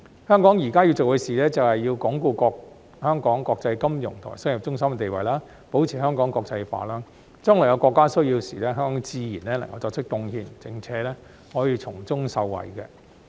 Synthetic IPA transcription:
hœː˥ŋkɔː˨˥ŋjiː˨˩kaː˥ji˧wt͡so˨whɵ˨˧jsiː˨lɛː˥t͡sɐ˨whɐ˨jjiː˧wkɔː˨˥ŋkuː˧kɔː˧k̚ | hœː˥ŋkɔː˨˥ŋkɔː˧k̚t͡sɐ˧jkɐ˥mjʊ̰˨˩ŋt̪ʰːsɐ˥ŋji˨˩p̚t͡ʃʊ˥ŋsɐ˥mkɛ˧t̪e˨jwɐ̰˨˩jlaː˥ | po˨˥wt͡sʰiː˨˩hœː˥ŋkɔː˨˥ŋkɔː˧k̚t͡sɐ˧jfa̰ː˨laː˥ | t͡ʃœː˥ŋlɔː˨˩jɐ˨˧wkɔː˧kːaː˥sɵ˥ɥjiː˧wsiː˨lɛː˥ɦœː˥ŋkɔː˨˥ŋt͡siː˧jiː˨˩nlɛː˥lɐ̰˨˩ŋkɐ˨˧wt͡sɔː˧k̚t͡ʃʰɪ˥k̚t̪ʊ˧ŋhiː˧nt͡sɪ˨˩ŋt͡sʰɛː˨˥lɛː˥ | hɔː˨˥jiː˧t͡sʰʊ˨˩ŋt͡sʊ˥ŋsɐ˧wːɐ̰˨˩jkɛ˧

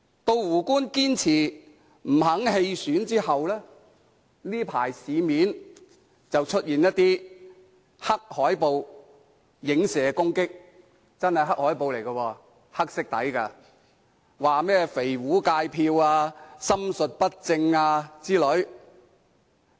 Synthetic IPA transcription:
t̪o˧wwuː˨˩kuː˥nkiː˥nt͡sʰiː˨˩ | m̩˨˩ɦɐ˨˥ŋhe˧jsyː˨˥nt͡siː˥hɐ˨wlɛː˥ | niː˥pʰa̰ː˨˩jsiː˨˧miː˨˥n | t͡sɐ˨wt͡ʃʰɵ˥t̚jiː˨njɐ˥t̪ːiː˥ | hɐ˥k̚hɔː˨˥jpo˨˧w | jɪ˨˥ŋsɛː˨˧kʊ˥ŋkɪ˥k̚ | t͡sɐ˥nhɐ˨˩jɦɐ˥k̚hɔː˨˥jpo˨wle˨˩jkɐ˧wɔː˧ | hɐ˥k̚sɪ˥k̚t̪ɐ̰˨˥jkaː˧ | waː˨mɛː˥fe˨˩jwuː˨˥kaː˧jpʰiː˧waː˧sɐ˥msɵ˨t̚pɐ˥t̚t͡sɪ˧ŋaː˧t͡siː˥lɵ˨˥ɥ

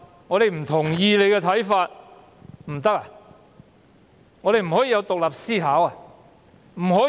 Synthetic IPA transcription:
ŋɔː˨˧ɾe˨jm̩˨˩t̪ʰʊ˨˩ŋjiː˧le˨˧jkɛ˧t̪ʰɐ˨˥jfaː˧t̚ | m̩˨˩t̪ɐ˥k̚a˨ | ŋɔː˨˧ɾe˨jm̩˨˩hɔː˨˥jiː˧jɐ˨˧wt̪ʊ˨k̚lɐ˨p̚siː˥ɦaː˨˥wa˨ | m̩˨˩hoɔː˨˥

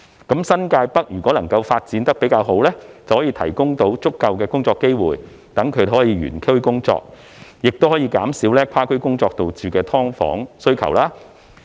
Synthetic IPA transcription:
kɐ˨˥msɐ˥nkaː˧jpɐ˥k̚jyː˨˩kʷɔː˨˥lɐ˨˩ŋkɐ˧wfaː˧t̚t͡siː˨˥nt̪ɐ˥k̚pe˨˥jkaː˧wɦo˨˥wlɛː˥t͡sɐ˨whɔ˨˥i˧t̪ʰɐ˨˩jkʊ˥ŋt̪o˨˥wt͡sʊ˥kːɐ˨˧wkɛː˧kʊ˥ŋt͡sɔː˧kːe˥jwuː˨j | t̪ɐ˨˥ŋkʰɵ˨˧ɥdhɔː˨˥jiː˧ɥy̰ː˨˩nkʰe˥kʊ˥ŋt͡sɔ̰ː˧k̚ | jɪ˨k̚t̪o˥whɔː˨˥jiː˧kaː˨˥msiː˨˥wlɛː˥kʷʰaː˥kʰɵ˥ɥkʊ˥ŋt͡sɔː˧k̚t̪o˨wt͡syː˨kɛː˧t̪ʰɔː˥ŋfɔ̰ː˨˥ŋsɵ˥ɥkʰɐ̰˨˩wlaː˥

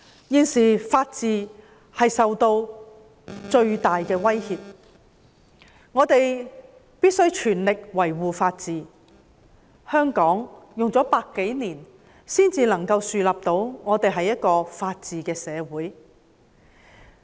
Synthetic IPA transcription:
jiː˧nsiː˨˩faː˧t̚t͡siː˨ | hɐ˨jsɐ˨wt̪o˧w | t͡ʃɵ˧ɥt̪aː˨jkɛː˧wɐ˥jhiː˧p̚ | ŋɔː˨˧t̪e˨j | piː˥t̚sɵ˥ɥt͡ʃʰyː˨˩nlɪ˨k̚wɐ˨˩jwuː˨˩faː˧t̚t͡siː˨ | hœː˥ŋkɔː˨˥ŋjʊ˨ŋt͡sɔː˨˥paː˧kːe˨˥jniː˨˩n | siː˥nt͡siː˧lɐ˨˩ŋkɐ˧wsyː˨laː˨p̚t̪o˧wŋɔː˨˧t̪e˨jɦɐ˨jɐ˥t̚kɔː˧faː˧t̚t͡siː˨kɛː˧sɛː˨˧wuː˨˥j

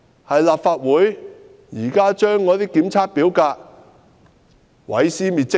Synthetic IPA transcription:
hɐ˨jlaː˨p̚faː˧t̚wuː˨˥j | jiː˨˩kaː˥t͡ʃœː˥ŋːɔː˨˧t̪iː˥kiː˨˥mt͡sʰaː˧˥t̚piː˨˥wkaː˧k̚ | wɐ̰˨˥jsiː˥miː˨t̚t͡sɪ˥

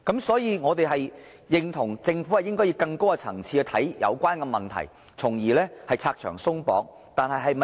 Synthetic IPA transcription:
kɐ˨˥msɔː˨˥jiː˨˧ŋɔː˨˧t̪e˨jɦɐ˨j | jɪ˨ŋt̪ʰʊ˨˩ŋt͡sɪ˧ŋfu˨˥ɐ˨jɪ˥ŋkɔː˥ji˧wkɐ˧ŋko˥wkɐ˧t͡sʰɐ̰˨˩ŋt͡sʰiː˧ɛ˧t̪ʰɐ˨˥jjɐ̰˨˧wkʷwaː˥nkɛː˧mɐ˨nt̪ʰɐ̰˨˩j | t͡sʰʊ˨˩ŋjiː˨˩lɛː˥hɐ˨jt͡sʰaː˧k̚t͡ʃʰœː˨˩ŋsʊ˥ŋpɔ̰ː˨˧˥k̚ | t̪aː˨nɦɐ˨jɦɐ˨jmɐ˨

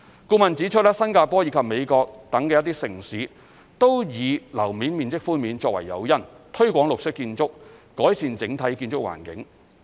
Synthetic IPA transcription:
kuː˧mɐ˨nt͡siː˨˥t͡ʃʰɵ˥t̚lɛ˥sɐ˥nkaː˧pɔː˥ji˨˧˥kʰɐ˨p̚me˨˧jkɔː˧k̚t̪ɐ˨˥ŋkɛː˧jɐ˥t̪̬iː˥sɪ˨˩ŋsiː˨˦ | t̪o˥wjiː˨˧lɐ˨˩wmiː˨˥nmiː˨˩nt͡sɪ˥k̚fuː˥nmiː˨˧nt͡sɔː˧k̚wɐ̰˨˩jːɐ̰˨˧wjɐ˥nt̪ʰɵ˥ɥkʷɔː˨˥ŋlʊ˨k̚sɪ˥kːiː˧nt͡sʊ˥k̚ː | ɔː˨˥jsiː˧nt͡sɪ˨˥ŋt̪ʰɐ˨˥jkiː˧nt͡sʊ˥k̚wa̰ː˨˩nkɪ̰˨˥ŋ

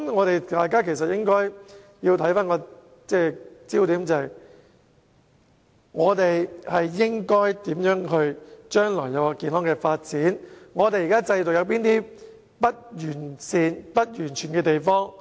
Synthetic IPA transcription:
ŋɔː˨˧ɾe˨jt̪aː˨jkaː˥kʰe˨˩s̬ɐ˨t̚jɪ˥ŋkɔː˥j | jiː˧wt̪ʰɐ˥jfaː˥nkɔː˧ | t͡sɛː˥˩t͡siː˥wt̪iː˨˥mt͡sɐ˨j | ŋɔː˨˧t̪e˨jhɐ˨jːɪ˥ŋkɔː˥jt̪iː˨˥mjœː˨˥ŋɦɵ˧ɥt͡ʃœː˥ŋlɔː˨˩jɐ˨˧wkɔ˧kiː˨˧nhɔː˥ŋkɛː˧faː˧t̚t͡siː˨˥nŋɔː˨˧t̪e˨ji˨˩kaː˥t͡sɐ˧jt͡so˨k̚jɐ˨˧wpiː˥nt̪iː˥ | pɐ˥t̚jyː˨˩nsiː˨npɐ˥t̚jyː˨˩nt͡ʃʰyː˨˩nkɛː˧t̪e˨jfɔː˥ŋ

